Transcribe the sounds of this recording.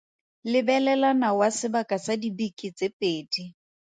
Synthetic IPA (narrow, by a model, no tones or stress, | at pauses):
lɪbɛlɛlanawasɪbakʼasadibikʼit͡sepʼeːdi